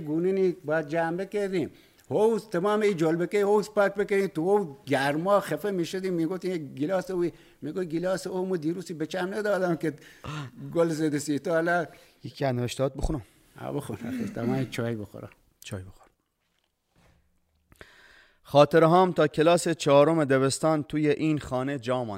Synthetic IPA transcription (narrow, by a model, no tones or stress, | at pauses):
ɡuːnenibɑːæd̪̚d͡ʒæmbekeɾd̪im | howst̪emɑːmeiːd͡ʒolbekehowspæk̚beked̪iːt̪uhowɡæɾmɔːxefemiʃod̪imːiːɡoft̪iɡilɑːseui | miːɡoɡilɑːseomud̪iːɾusibet͡ʃæmned̪ɑːd̪æmke | ɡolzed̪esit̪oælajikʰiæneveʃt̪ɑːt̪̚bexunom | ha̰bexunæ̰xḛɾt̪ʰɐmaːnt͡ʃʰɑːjboxo̰ɾa̰ | t͡ʃʰɑːjbexo̥ɾ | xɒːt̪eɾɦɑːmt̪ʰɒːkʰelɒːset͡ʃʰɒːɾomed̪eβest̪ɑːnt̪ʰuːjeʔiːnxɑːned͡ʒɒːmɑ̰ː